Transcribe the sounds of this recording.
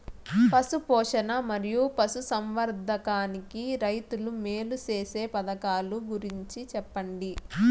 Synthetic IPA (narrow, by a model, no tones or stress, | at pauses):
pɐsupɔːʂɐnɐmɐɾijupɐsusɐmʋɐɾd̪ʱɐkaːnikiɾɐjt̪ulumeːlut͡ʃeːse̞ːpɐd̪ɐkaːluɡuɾiɲt͡ʃit͡ʃɛpːɐɳɖi